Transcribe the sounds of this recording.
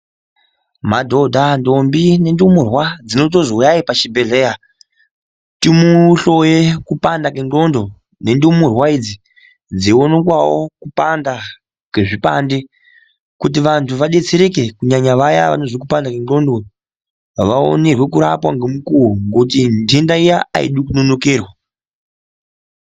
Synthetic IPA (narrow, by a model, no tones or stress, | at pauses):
madʱo̞dʱando̞mbine̞ndumurwad͡zino̞t̬o̞zoujaipat͡ʃibʱe̞ɮe̞ja | timuɬo̞jekupandakenɡo̞ndo̞ | ne̞ndumurwaid͡zi | d͡zionekwawo̞kupanda | keʐipa̰nde | kut̬iʋantʰuʋaɗe̞t͡seɾek̬e̞kuɲaɲaʋaja̰ʋa̰no̞ʐikupandakeno̞ndo̞ | ʋao̰ne̞rwe̞kuɾa̰pwaŋɡemukuuŋɡout̬indendaijaa̰ḭɗukunono̞keːrwa